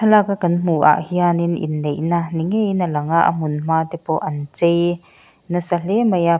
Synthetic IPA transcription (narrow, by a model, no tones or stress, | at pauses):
tʰɐlakakɐnm̥uʔa̰ʔhianinḭnːejnaniŋejnɐlɐŋaʔə̰m̥ʊnm̥aːt̪ɛpɔʔɐnt͡sej | nɐsɐlɛmɐja